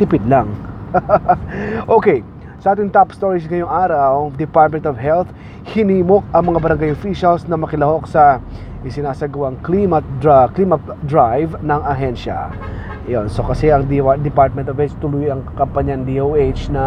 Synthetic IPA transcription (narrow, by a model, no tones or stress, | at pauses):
t̪ɪpɪd̪laŋ | ʔoːkɛj | sɐʔaːt̪ɪŋt̪apst̪oɹɪsŋɐjoŋʔaːɾɐwd̪ɪpaɹt̪̚mɛnt̪ovɦɛlt̪ | hɪniːmo̞k̚ɐŋmɐŋabɐɾɐŋɡajofiʃɐlsnɐmɐkɪlɐho̞k̚sɐ | ʔɪsɪnaːsɐɡɐwaŋklimɐt̪̚akliːmɐt̪d̪ɹajvnɐŋɐɦɛnʃɐ̰ | jonso̞kɐsɛʔɐŋd̪id̪ɛpaɹt̪̚mɛnt̪ovhɛt͡ʃt̪ʊlujɐŋkɐmpɐɲand̪iʔowʔejt͡ʃnɐ